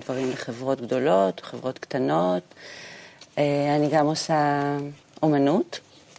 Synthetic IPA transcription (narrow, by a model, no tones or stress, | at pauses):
dvaʁimleχe̞vʁo̞tɡdo̞lo̞toχevʁo̞tktano̞t | eaniɡamosa | ʔo̞manut